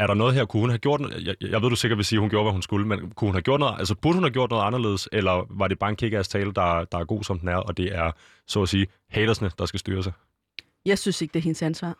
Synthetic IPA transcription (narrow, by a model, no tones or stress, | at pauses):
æɐɾɑ̈nɔ̽ːðˠɦeɐ̰kʰuhunɦæɡ̥jo̝ɐ̰d̥jjɑaɪʋḛd̥use̝ɡɐd̥ʋe̝siːhunɡ̥jo̝ːɐʋæhunsɡ̥uləmenkʰuhunhæɡ̥jo̝ɐd̥nɔðˠʔælsɐb̥uɐd̥ə̥hunhæɡ̥jo̰d̥nɔ̽ð̩ˠɑ̈nɐle̝̰ːð̞̩ˠselɐʋɑ̈ɾe̝b̥ɑ̈ːe̝nkʰe̝ɡ̥æst͡sʰɛːləd̥ɑ̈d̥ɑ̈æɐɡo̝̰ːsɒ̽md̥unæɐɒ̽d̥e̝æɐ | sɔ̰ːsiː | hɛːɾ̥ɐsnəd̥ɑ̈sɡ̥æsd̥yːɐs̬ɑ̈ɪ | jɑɪsynse̝ɡ̥̚d̥eɐɦe̝nəsænsʋɑ̰ː